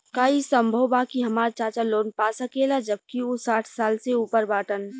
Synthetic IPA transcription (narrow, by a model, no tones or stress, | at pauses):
kaːisə̃mbʱəwbaːkiɦɐmaːɾt͡ʃaːt͡ʃaloːnpaːsɐkelad͡ʒəb̚kiosaːʈʰsaːlseuːpəɾbaːʈən